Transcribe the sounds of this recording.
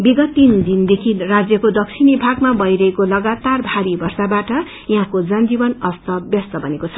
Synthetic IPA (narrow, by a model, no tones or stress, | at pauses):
biɡʌt̪ːind̪ind̪ekʰirad͡zjʌkod̪ʌk̚t͡sʰinibʱaɡmabʌjɾʌɦekolʌɡat̪arbʱaɾibʌrsabaʈʌ | jaɦãkod͡zʌnd͡zibʌnʌst̪ʌbjʌst̪ʌbʱʌnekot͡sʰʌ̥